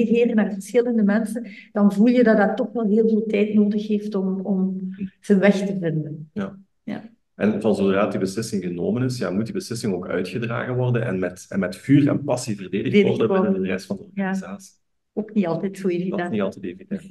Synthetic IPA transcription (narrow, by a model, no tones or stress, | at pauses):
tɦeːrəmɛrtfərsxɪləndəmɛnsənd̥ɑnvulˠjədɑdɑtːɔxʋɛlˠɦeːlˠveːlˠtɛjtnoːdəxɦeːftɔmɔmz̥ənʋɛxtəvɪndənja | ja̰ | ʔɛnvɑnzodraːtdibəslɪsɪŋɣənoːmənɪsja̰ːmut̚dibəslɪsɪŋoːkœ̰ɥtxədra̰ːɣənʋɔrdənɛ̰nmɛtɛnmɛtfyːrɛ̰npɑsivərdeːdəxdɔrdəodərɛstfɑndəɔrjaːizaːsi̥ | oːkniɑlˠtɛtsoːeːvidɛnniɑlˠtɛtevidɛn